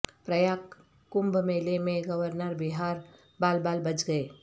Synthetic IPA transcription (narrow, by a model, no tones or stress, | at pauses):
pɾəjaːk | kːʊ̃mbmelemẽɡəʋəɾnəɾbɪɦaːɾ | baːlbaːlbɐt͡ʃɡəe